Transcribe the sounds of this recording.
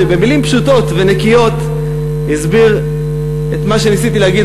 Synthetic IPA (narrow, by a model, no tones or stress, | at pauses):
ebe̞milimpʃuto̞tvenekijo̞t̪ | hizbiʁ | et̪maʃe̞nisit̪ilehaɡid